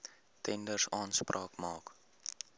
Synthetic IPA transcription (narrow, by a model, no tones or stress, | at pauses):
tʰɛndərsɑːnsprʔɑːkmɑːk